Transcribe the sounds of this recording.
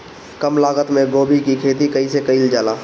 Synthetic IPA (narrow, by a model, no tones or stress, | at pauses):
kəmlaːɡət̪mẽɡoːbikikʰeːt̪ikəisekəild͡ʒaːlaː